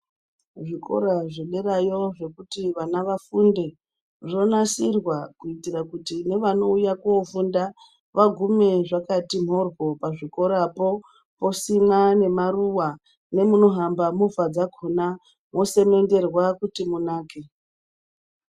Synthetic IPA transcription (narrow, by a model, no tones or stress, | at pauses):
ʐiko̞̰ɾaʐeɗerajoʐe̞kutiʋanaʋafunde̞ | ʐo̞nasirwakuitirakutine̞ʋano̞ujakoofunda | ʋaɡʱume̞ʐakatim̤ɦo̞rɡo̞paʐiko̞ɾapo̞ | po̞simane̞maruwa | ne̞muno̞ɦambamufad͡zaɡʱuna | mo̞se̞me̞nde̞rwakutimunaːke